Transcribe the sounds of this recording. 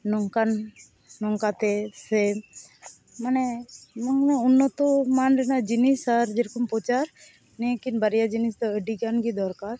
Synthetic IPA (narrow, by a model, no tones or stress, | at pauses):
nɔŋkanː | ɔŋkat̪ɛsɛ | manɛmɔŋnɛunːɔt̪ɔmanɾɛnad͡ʒinisaɾd͡ʒeɾkɔmpɔt͡ʃaɾ | nɛkinbaɾijad͡ʒinist̪ɔəɖiɡanɡid̪ɔɾkaɾ